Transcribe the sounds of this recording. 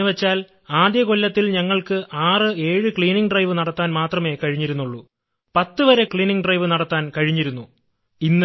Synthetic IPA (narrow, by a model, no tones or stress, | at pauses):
ɨʋet͡ɕːaːl | aːd̪jɐko̞lːɐt̪ːilɲɐŋːɐɭkɨʔaːrɨe̞ːɻɨkɭiːniŋɡɖrɐjʋɨnɐɽɐt̪ːaːnmaːt̪rɐme̞kɐɻiɲːiɾunːuɭːu | pɐt̪ːɨʋɐɾe̞kɭiːniŋɖrɐjʋɨnɐɽɐt̪ːaːnkɐɻiɲːiɾunːu | inːɨ